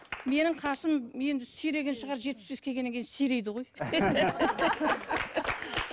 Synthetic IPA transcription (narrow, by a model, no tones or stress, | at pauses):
me̞nɪɴqʰɑsəmje̞nd̪ɪsʏjɾe̞ɡʲe̞nʃəʁɑɾʒet̪̚pɪsbekʲʰe̞ɡʲenːekʲʰjɪnsejɾe̞jd̪ɪʁo̞j